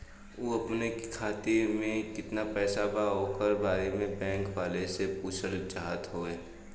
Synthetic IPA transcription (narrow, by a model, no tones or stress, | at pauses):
oːɐpnekkʰaːt̪emẽkɪt̪napɛːsabaɦokəɾbaːɾemẽbɛ̃ːŋkʋaːlesepuːt͡ʃʰəɾt͡ʃaːɦət̪ɦoːeː